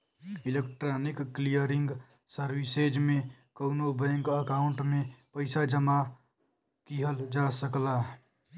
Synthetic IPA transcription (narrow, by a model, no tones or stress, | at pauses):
ɪlekʈɾaːnɪkːlijəɾɪ̃ŋɡ | səɾwised͡ʒmẽ | kəʊnobəŋɡəkaʊ̃ɳʈmẽpəɪsad͡ʒəma | kiɦəld͡ʒaːsəkla